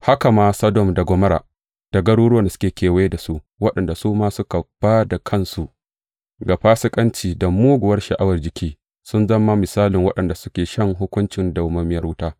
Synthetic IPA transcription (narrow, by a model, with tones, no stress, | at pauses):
ha˦ka˨maː˦sɐ˦dɔ˦˨mda˨ɡʷɔ˦mɐ˦ɾa̰ː˨ | d̥a˨ɡɐ˦ɽuː˦ɽʊ˦ɐ˨nda˨skʲeː˨kʲeː˨we˦da˨su˦ʔ | wɐ˦ɗɐ˨nda˨suː˦maː˦sʊ˦ka˨b̥aː˦da˨kʰɐ˦˨nsu˨ʔ | ɡa˨ɸaː˦sɪ˦kʼɐ˦nt͡ʃiː˨da˨muː˦ɡʷʊ˨wɐ˦rʃɐ˨ʔa˦wɐ˨rd͡ʒɪ˨kʲʰiː˦ | sʊ˦nzɐ˦mːa˦mɪ˨saː˦lɪ˨ŋwɐ˦ɗɐ˨nda˨sʊ˦kʲeː˨ʃɐ˦ŋɦʊ˦kʷʊ˦nt͡ʃɪ˨nda˨wmɐ˦mɪ˦jɐ˦hʊ˦taː˦